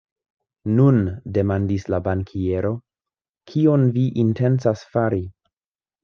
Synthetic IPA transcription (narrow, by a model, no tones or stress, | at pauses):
nunde̞mandislabaŋkʰie̞ɾo̞ | kʰionviʔinte̞nsasfaɾi